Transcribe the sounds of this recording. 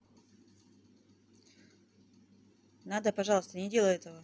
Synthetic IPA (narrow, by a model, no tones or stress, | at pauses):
nad̪əpɐʐɑlˠəst̪ənʲɪdʲe̞lˠəɛt̪əvə